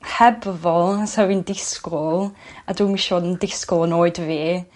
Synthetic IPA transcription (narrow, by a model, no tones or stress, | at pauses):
hɛbvɔlˠsawindɪskɔlˠaduːmiʃɔdəndɪskɔlˠənoːɨdveː